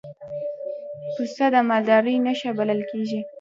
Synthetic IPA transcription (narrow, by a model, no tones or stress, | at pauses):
pusst̪ad̪amald̪ɑɾəjnaʃabaləlkeʒi